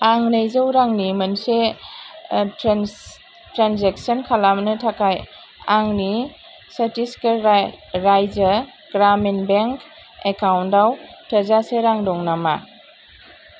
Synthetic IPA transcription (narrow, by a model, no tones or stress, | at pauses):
aŋnejzəwɾaŋnimɐnse | tɾanzeksɔnkʰalamnɯtʰakaj | aŋni | sɐtiskeɾajzə | ɡ̥ɾamenbeŋk | ekawndawtʰɐzaseɾaŋdɔŋnama